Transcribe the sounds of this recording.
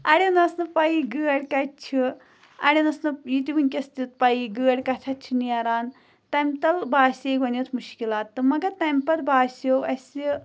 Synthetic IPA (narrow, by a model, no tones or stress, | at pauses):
ɐɽʲenɐsnɨpɐjiɡɨːɐɽʲkɐt͡ʃʰi | ɐɽʲenɐsnɨjit̪iʋɨnʲkʲɐst̪ʲit̪̚pɐjiɡɨːɐɽʲkɐt͡ʃʰɐt͡ʃʰiniɐɾaːn | t̪ɐmʲt̪ɐlbaːsʲeɡʋɐnɐt̪ʰmuʃkilaːt̪ːɨmɐɡɐt̪ɐmʲpɐɾbaːsʲjowɐsʲi